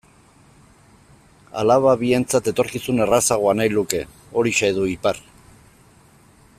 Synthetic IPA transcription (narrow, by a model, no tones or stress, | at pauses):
a̰laβaβie̞nt͡sat̪e̞t̪o̞ɾkisune̞rasaɣ̞oanajluke̞ | o̞ɾiʃajð̞uipar